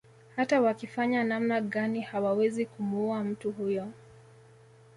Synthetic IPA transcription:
hatawakifaɲanamnaɠanihawawɛzikumuuam̩tuhujɔ

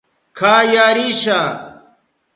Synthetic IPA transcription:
kʰaːjaːɾiːɕaː

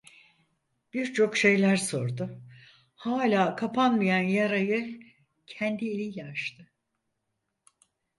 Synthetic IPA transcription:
b̥iɾt͡ʃʰo̞kʃe̞jlʲæɾso̞ɾd̪ʊ | haːlʲaːkʰapʰanmijanjaɾajɯ | cʰɛnd̪ielʲijaʃt̪ʰɯ

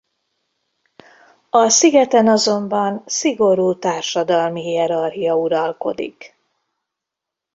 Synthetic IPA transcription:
ɒsiɡɛt̪ɛnɒzo̞mbɒnsiɡo̞ɾuːt̪aːrʃɒd̪ɒlmiɦiɛɾɒrɦijɒuɾɒlko̞̰d̪ḭk

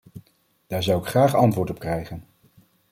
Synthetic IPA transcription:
d̥aːɹzʌwɪkχraːχɑntʋʊːɹtɔp̚krɛjχən

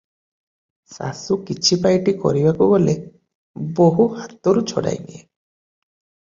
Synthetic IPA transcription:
sa̰sukit͡ʃʰipajʈikɔ̰ɾibakubole | boɦuhat̪ɔɾut͡ʃʰɔ̰ɽa̰jnie

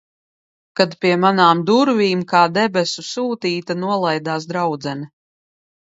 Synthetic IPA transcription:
kad̪pʲiɛmanaːmd̪uɾviːmkaːd̪ɛbʲɛsusuːt̪iːt̪anuɔlˠajd̪aːsd̪ɾawd̪zɛni

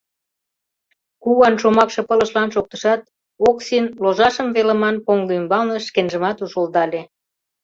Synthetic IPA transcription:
kuwɑnʃomɑkʃɤ̆pələʃlɑnʃok̚t̪ə̥ʃɑt̪̚ | oksinloʒɑʃəmvelə̆mɑnpoŋlymbɑlnəʃkenʒəmɑt̪uʃold̪ɑlʲe

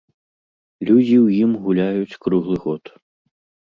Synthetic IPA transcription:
lʲud͡zʲiwjimɣulʲajut͡sʲkɾuɣlˠɨɣɔt̪

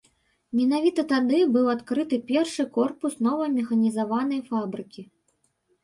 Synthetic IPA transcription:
mʲɛnavʲit̪ɐt̪ad̪ɨbɨwat̪kɾɨt̪ɨpʲɛrʂɨkɔrpusnɔvɐmʲɛxɐnʲizavanɐjfabɾɨkʲi

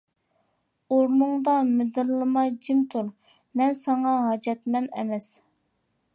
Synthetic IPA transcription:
oɾnuŋd̪ɑmɪd̪ɨɾlˠɨmɑjd͡ʒimt̪ʰuɾ | mɛnsɑŋɑɦɑd͡ʒɛt̪̚mɛnɛ̰mɛs

